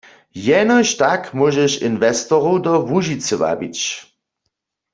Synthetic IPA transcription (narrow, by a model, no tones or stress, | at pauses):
jɛnɔʃtakmwɔʒɛʃḭnvɛst̪ɔʁowdɔvuʒit͡səʋa̰bḭt͡ɕ